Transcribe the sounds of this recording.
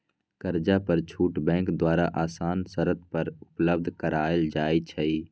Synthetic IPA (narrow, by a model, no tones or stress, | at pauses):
kəɾd͡ʒapəɾt͡ʃʰuːʈbɛ̃ːŋkd̪waːɾaʔaːsaːnsəɾət̪̚pəɾʊpləbd̪ʱkəɾaːeld͡ʒaːit͡ʃʰəi